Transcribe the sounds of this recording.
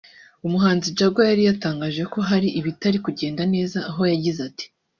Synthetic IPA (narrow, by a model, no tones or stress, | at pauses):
umuɦaːnzid͡ʒaɡwajaɾijataːŋɡaːʒe̞ko̞ɦaɾiʔiβitaɾikuɟe̞ːndane̞ːzaːɦo̞jaɟizati̥